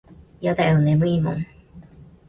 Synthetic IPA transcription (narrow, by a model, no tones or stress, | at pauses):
jat̪aoneməimo̰ŋ